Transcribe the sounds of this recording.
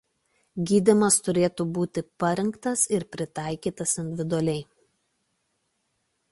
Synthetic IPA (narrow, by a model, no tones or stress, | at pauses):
ɡʲiːd̪ʲɪmɐst̪ʊɾʲeːt̪uːbuːt̪ʲɪpɐɾʲɛŋkt̪ɐsɪɾpʲɾʲɪt̪ɑˑɪkʲiːt̪ɐsɪnʲd̪ʲɪʋʲɪd̪ʊɐlʲɛɪ